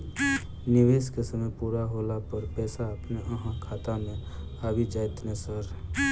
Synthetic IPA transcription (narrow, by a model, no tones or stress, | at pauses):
nɪweːskesəməjpuːɾaɦolapəɾpɛːsaəpneʔəɦãkʰaːt̪amẽ | aːbid͡ʒaːɪt̪nesəɾ